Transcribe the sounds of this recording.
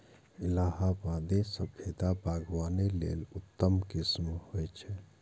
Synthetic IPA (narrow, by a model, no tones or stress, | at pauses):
ɪlaːɦabãd̪esəbʰed̪abʱaːɡwaːnelḛlʊt̪ːəmkɪsmhojt͡ʃʰɛ